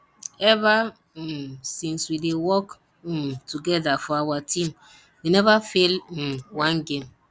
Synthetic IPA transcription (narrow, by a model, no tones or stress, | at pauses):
ɛva | sĩnswidewɔk̩ | tuɡɛdafɔawatĩm | winɛvafel̩wãnɡẽm